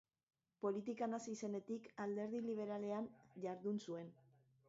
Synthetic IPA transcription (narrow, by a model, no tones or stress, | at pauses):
po̞lit̪ikanasise̞ne̞t̪ikald̪e̞ɾðiliβ̞e̞ɾale̞anʝaɾðunsue̞n